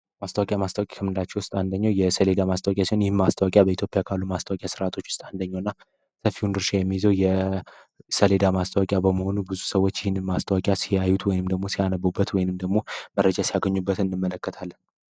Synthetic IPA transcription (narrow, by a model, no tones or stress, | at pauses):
mast̪əwakʼjamast̪əwakʼḁkʰəmɨnd̪at͡ʃːɛwʊst̪ʼand̪əɲːawjɛsəle̞d̪amast̪ʰəwakʼjasinjɪhɪnmast̪ʰəwakʼjabəit̪jo̞pʼːjakʰalːumast̪ʰəwakʼjasɨɾat̪ʰo̞t͡ʃːwʊ̥st̪ʼand̪əɲːawɨnːa | səfːiund̪ɨɾʃajɛmːizəwjɛ | səle̞d̪amast̪ʰəwakʼjabəməho̞nubɨzusəwo̞t͡ʃːjɪhɪnːɨmmast̪ʰəwakʼjasijajːut̪ʰwɔjɪnɨmd̪əɡmo̞sijanəbubːət̪wɔjɪnɨmd̪əɡmo̞mərːəd͡ʒasijaɡəɲːubːət̪ɨndɨmːələkːət̪ʰalːən